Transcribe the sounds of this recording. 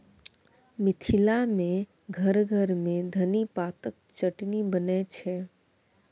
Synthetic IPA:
mɪt̪ʰilamẽ | ɡʱəɾɡʱəɾmẽd̪ʱənipat̪ək̚ | t͡ʃəʈnibənɛt͡ʃʰɛ

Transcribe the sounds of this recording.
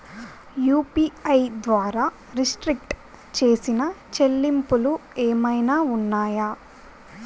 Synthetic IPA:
juːpiɐjd̪ʋaːɾaː | ɾisʈɾik̚ʈ | t͡ʃe̞ːsinɐt͡ʃelːimpulueːmɐjnaːunːaːja

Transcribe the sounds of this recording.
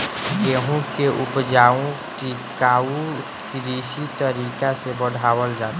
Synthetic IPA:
keːɦõkeʔʊpd͡ʒaːõki | kaːũ | kiɾiːsit̪əɾiːkasebəɽ̤ʱaːwəld͡ʒaːt̪ː

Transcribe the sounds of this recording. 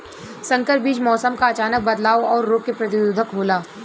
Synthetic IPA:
sɐ̃ŋkəɾ̚biːd͡ʒmɔːsəmkaɐt͡ʃaːnək̚bɐd̪laːʋoɔːɾːoːkkːepɾɐt̪ɪuːd̪ʱəkɦoːlaː

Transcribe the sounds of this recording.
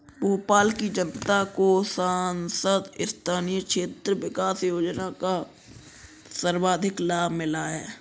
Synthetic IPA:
boːpaːlkid͡ʒənt̪akosaːnsəd̪ɪst̪ʰaːnijəkʃʰeːt̪ɾəwɪkaːsjoːd͡ʒnaka | səɾwaːd̪ʱɪklaːbmɪlaɦɛː

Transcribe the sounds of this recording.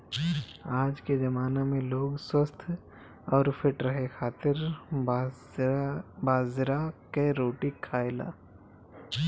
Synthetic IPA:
aːd͡ʒked͡ʒɐmaːnamẽloːɡswəst̪ʰ | ɔːɾfʰɪʈɾɐɦekʰaːt̪ɪɾ | baːzɾakeɾoːʈikʰːaːela̰ː

